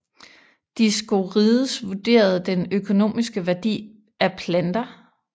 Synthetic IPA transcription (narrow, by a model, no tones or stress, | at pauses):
d̥isɡ̥oʁiðˠəsʋud̥e̝̰ːɐð̞̩ˠd̥enøkʰo̝no̝̰ːmisɡ̥əʋæɐd̥ḭː | æpʰlænd̥ɐ